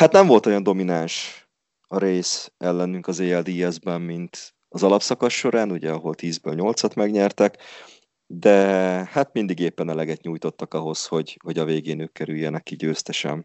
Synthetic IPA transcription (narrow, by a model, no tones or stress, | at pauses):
hat̪nɛɱvo̞lt̪o̞jɒnd̪o̞minanʃ | ɒɾeːsɛlːɛnyŋkɒzeːɛld̪iɛzbɛmmint̪ | ɒzɒlɒpsɒkɒʃːo̞ɾaːnuɟɛɒɦo̞lt̪iːzbø̰ːlɲo̞lt̪sɒt̪mɛɡɲɛrt̪ɛk | d̪ɛhat̪mind̪iɡeːpːɛnɛlɛɡɛt̪ɲuːjt̪o̞t̪ːɒkɒɦo̞sho̞ɟho̞ɟɒveːɡeːnøːkːɛɾyjːɛnɛkːiɟøːst̪ɛʃɛ̰m